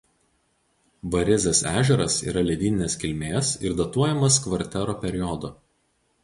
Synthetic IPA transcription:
bɐɾʲɪzʲɛsæːʒʲɛɾɐsḭːɾɐlʲɛd̪ʲiːnʲɪnʲeːskʲɪlʲmʲeːsɪɾd̪ɐt̪uɔjɛmɐskʋɐɾʲt̪ʲɛɾoːpʲɛɾʲɪjɔd̪o

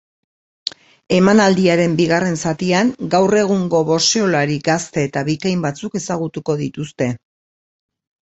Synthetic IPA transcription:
e̞manald̪iaɾe̞mbiɣare̞nsat̪iaŋɡawre̞ɣ̞uŋɡo̞βo̞seolaɾiɡast̪e̞ːt̪aβikajmbat͡suke̞saɣ̞ut̪uko̞ðit̪ust̪e̞

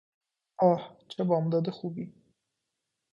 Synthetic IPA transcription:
ɑht͡ʃabɑmd̪ɑd̪axubi

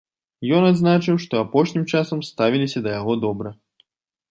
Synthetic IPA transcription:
jɔnad̪znat͡ʂɨwʂt̪ɔapɔʂnʲimt͡ʂasɐmst̪avʲilʲisʲɐd̪ɐjaɣɔd̪ɔbɾɐ

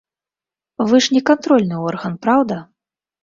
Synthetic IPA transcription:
vɨʂnʲɛkant̪ɾɔlʲnɨɔrɣɐnpɾawd̪ɐ

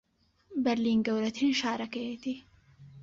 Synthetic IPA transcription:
bɐɾliːnɡɐwɾɐt̪ʰinʃaːɾɐkɐjet̪i

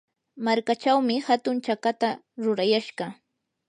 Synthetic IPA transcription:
maɾkat͡ʃawmɪhat̪ʊnt͡ʃakat̪a | ɾʊɾajaʃɢɑ

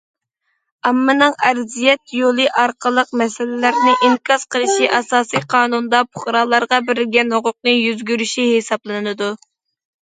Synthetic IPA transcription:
ɑmːɨnɨŋɛɾzijɛt̪jolˠɨʔɑɾqʰəlˠəqmɛsɪlɪlæɾnɪʔiŋkʰɑz̥qʰəlˠɨʃiʔɑsɑːsijqʰɑːnund̪ɑpʰʊχɾɑːlˠɑɾʁɑbɪɾɪɡʲɛnhoqʊq̚nɨjyzɡʲyɾyʃihesɑblˠɨnnɨd̪u

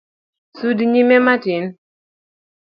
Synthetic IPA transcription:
sudiɲimematin

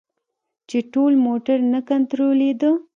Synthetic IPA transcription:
t͡ʃeʈolmoʈaɾnakant̪ɾoled̪ə

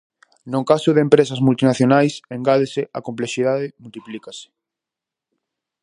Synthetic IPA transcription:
nõŋkasʊðempɾesɐzmult̪inaθjonajseŋɡaðeseʔa̰kompleʃiðaðɪmult̪iplikase̥

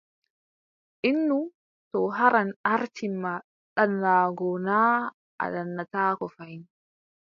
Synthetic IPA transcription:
ʔinːu | tɔɦaɾanaɾtʰimma | ɗanːaɡɔnaː | ʔa̰ɗanːat̪aːkɔfajn

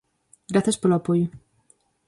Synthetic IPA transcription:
ɡɾaθjaspeloapojo

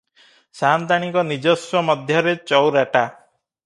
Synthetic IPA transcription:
sant̪aɽ̃ikɔnid͡ʒɔswɔmɔd̪ʱjɔɾet͡ʃɔwɾaʈa

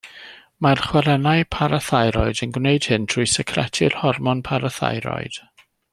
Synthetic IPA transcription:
marχwɛɾɛnaɨpʰaɾaθajɾɔɨdənɡwneɨd̥hɨntʰr̥ʊːjsɛkʰrɛ̰tʰɪrhɔrmɔnpʰaɾaθa̰jɾɔ̰ɨd̥

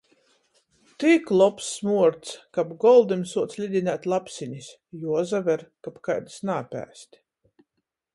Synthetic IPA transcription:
t̪iklˠɔpsːmuɔɾt̪skapɡɔlˠd̪imsuɔt̪sʲlʲid̪ʲinʲæt̪ʲlˠapsʲiɲʲis | juɔzavɛɾkapkajd̪snaːpʲæ̰ːst̪ʲ

